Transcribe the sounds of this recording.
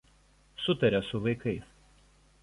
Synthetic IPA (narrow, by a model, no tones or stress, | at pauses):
sʊt̪ɐɾʲɛsʊʋɐɪkɐɪs